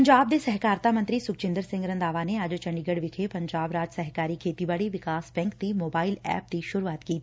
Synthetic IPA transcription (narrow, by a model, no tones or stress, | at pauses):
ɐɲd͡ʒaːb̚d̪esɛɦkaːɾt̪amə̃ɐnt̪ɾisʊk̚t͡ʃɪ̃nd̪əɾsɪ̃ŋɡɾə̃nd̪aːʋaneaːd͡ʒot͡ʃɐ̃ɳɖiɡəɽʋɪkʰepɐ̃ɲd͡ʒaːbɾaːd͡ʒsɐɦkaːɾikʰeːt̪ibaɽiʋɪkaːsbɛ̃ːŋkt̪imoːbaːɪlɛ̰ːp̚d̪iʃʊɾuaːt̪kiː